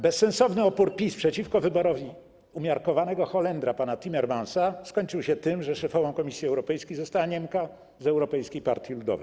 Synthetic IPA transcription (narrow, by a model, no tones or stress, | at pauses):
bɛsːɛ̃nsɔvnɘɔpuɾpʲispʂɛt͡ɕifkɔvɘbɔɾɔvʲi | umʲjaɾkɔvanɛɡɔxɔlɛnd̪ɾapanat̪ʲimɛɾmansaskɔɲt͡ʂɘwɕɛt̪ɘmʐɛʂɛfɔvɔ̃w̃kɔmʲisʲjiɛwɾɔpɛjskʲejzɔst̪awaɲɛmka | zɛwɾɔpɛjskʲejpa̰ɾt̪ʲjilud̪ɔ̰vɛ̰j